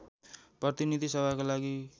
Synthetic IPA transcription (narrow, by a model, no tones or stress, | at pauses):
prʌt̪inid̪ʱisebʱakalaɡi